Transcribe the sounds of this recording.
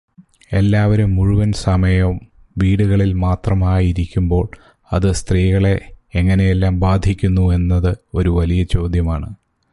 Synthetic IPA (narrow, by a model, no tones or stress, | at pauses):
e̞lːaːʋɐɾumːuɻuʋɐnsɐmɐjɐm | ʋiːɽuɣɐɭilmaːt̪rɐmaːjiɾikʲːumbo̞ːɭ | ɐðɨst̪riːɣɐɭe̞ːŋːɐne̞jelːaːmbaːd̪ʱikʲːunːue̞nːɐðɨo̞ɾuʋɐlijɐt͡ɕo̞ːd̪jɐmaːɳɨ